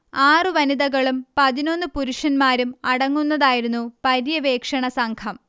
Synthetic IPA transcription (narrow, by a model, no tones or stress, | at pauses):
aːrɨʋɐniðɐɣɐɭumpɐðino̞nːɨpuɾuʂɐnmaːɾumɐɽɐŋːunːɐðaːjiɾunːupɐɾjɐʋe̞ːkʂɐɳɐsɐŋkʰɐm